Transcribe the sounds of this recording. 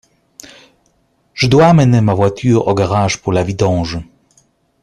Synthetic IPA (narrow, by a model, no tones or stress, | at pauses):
ʐ̥d̪wamɛnɛmavwat̪ʲʰyʁɔɡaʁaʂpulavid̪ɔ̃ːʐɨ